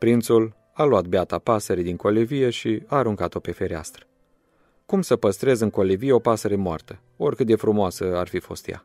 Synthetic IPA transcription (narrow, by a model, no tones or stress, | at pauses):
pɾint̪sul | aluat̪̚beat̪apasəɾed̪iŋko̞levije̞ʃiaːɾuŋkat̪o̞pe̞fe̞ɾea̰st̪ɾə̥ | kumsəpəst̪ɾe̞zɨŋko̞levijeo̞pasəɾemoa̰rt̪ə | o̞rʲkɨt̪̚d̪e̞fɾumoasəarfifo̞̰st̪ja̰